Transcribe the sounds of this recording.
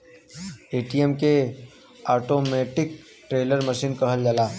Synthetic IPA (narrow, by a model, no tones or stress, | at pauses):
eːʈijemke | aːʈoːmeːʈɪk̚ | ʈɾeːləɾməʃiːnkɐɦəld͡ʒəlaː